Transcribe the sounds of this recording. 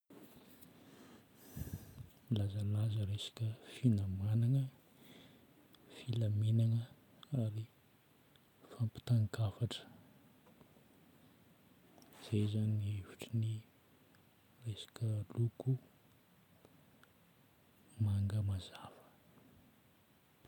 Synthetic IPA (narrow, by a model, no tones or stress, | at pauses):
milazəlazəɾesḁkʲəfinamanaŋə | filamenaŋə | aɾi | fampi̥t̪aŋkafaʈ͡ʂə̥ | z̥ezaniieviʈ͡ʂini | resḁkʲəluku | maŋɡəmazav̥ə̥